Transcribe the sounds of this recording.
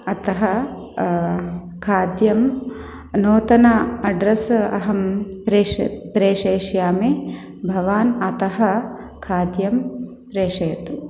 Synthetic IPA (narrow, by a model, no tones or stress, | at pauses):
ɐt̪ɐɦɐ | kʰaːd̪jɐm | noːt̪ɐnɐɐɖɾɐsɐ̰ɦɐmpɾepɾeːʂeːʃjaːmeː | bʱɐʋaːnɐt̪ɐɦɐ̆ | kʰaːd̪jɐm | pɾeːʂɐjɐt̪u